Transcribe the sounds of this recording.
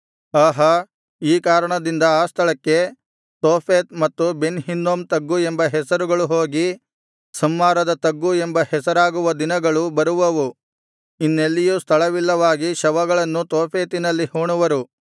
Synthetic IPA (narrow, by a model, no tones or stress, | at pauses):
aːɦɐ | iːkaːɾɐɳɐd̪ind̪ɐaːst̪ʰɐɭɐkːe̞ | t̪oːpʰeːt̪̚mɐt̪ːubenɦind̪oːmt̪ɐɡːuembɐɦɛsɐɾuɡɐɭuɦo̞ːɡi | sɐmːaːɾɐd̪ɐt̪ɐɡːuembɐhɛsɐɾaːɡuʋɐd̪inɐɡɐɭubɐɾuʋɐʋu | inːelːijust̪ʰɐɭɐʋilːɐʋaːɡiʃɐʋɐɡɐɭɐnːut̪oːpʰeːt̪inɐlːihuːɳuʋɐɾu